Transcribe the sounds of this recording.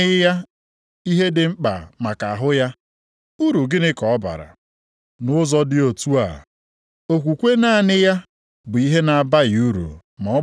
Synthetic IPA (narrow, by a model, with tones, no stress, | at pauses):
ɪ˦ja˦ | i˦ɦe˦dɪ˨ŋ͡m̩˦k͡pa̰˨ma˨ka˨a˨ɦʊ˦ja˦ | u˦ɾu˨ɡɪ˦nɪ˦kɔ˨ɔ˦ba̰˨ɾa̰˨ | nʊ˦zɔ˦dɪ˦o˨tu˦a̰˨ | o˨kʷu˨kʷe˦na˦˨nɪ˦ja˦ | bʊ˨i˦ɦe˦na˨ba˦ju˦ɾṵ˨ | mɔ˨ɔ˦